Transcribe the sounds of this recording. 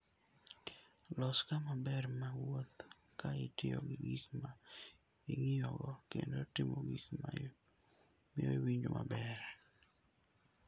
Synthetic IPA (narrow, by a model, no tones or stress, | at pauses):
lɔskamabɛrmawot̪ | kaɪtɪɔ̰ɡɪɡikma | iŋɪjɔɡɔkḛndotɪmoɡikma̰ | mɪo̰iwiɲd͡ʒomʔa̰bɛɾ